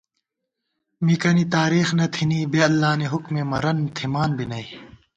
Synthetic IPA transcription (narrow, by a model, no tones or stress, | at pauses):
mikɐnit̪aːɾiːxnɐt̪ʰiniːbeɐlːaːneɦʊkmeːmɐɾɐnt̪ʰimaːnbʱinɐi